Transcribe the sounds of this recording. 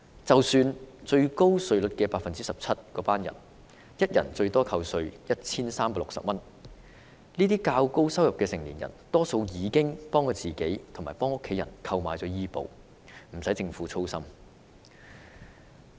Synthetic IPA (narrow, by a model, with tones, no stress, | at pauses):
t͡sɐ˨wsyː˧nt͡sɵ˧ɥko˥wsɵ˧ɥlɵ˨˥t̚kɛː˧paː˧k̚fɐ˨nt͡siː˥sɐ˨p̚t͡sʰɐ˥t̚kɔː˨˥paː˥njɐ̰˨˩n | jɐ˥t̚jɐ˨˩nt͡ʃɵ˧ɥt̪ɔː˥kʰɐ˧wsɵ˧ɥjɐ˥t̚t͡sʰiː˥nsaː˥mpaː˧lʊ˨ksɐ̰˨p̚mɐ˥n | liː˥t̪iː˥kaː˧wko˥wsɐ˥wjɐ˨p̚kɛː˧sɪ˨˩ŋliː˨˩njɐ̰˨˩nt̪ɔː˥so˧wjiː˨˧kɪ˥ŋpɔː˥ŋkɔː˧t͡siː˨˩ke˨˥jt̪ʰʊ˨˩ŋmaː˨˩jpɔː˥ŋʊ˥kʰːe˨˥jɐ̰˨˩nkʰɐ˧wmaː˨˧jt͡sɔː˨˥jiː˥po̰˨w | m̩˨˩sɐ˨˥jt͡sɪ˧ŋfuː˨˥t͡sʰo˥wsɐ˥m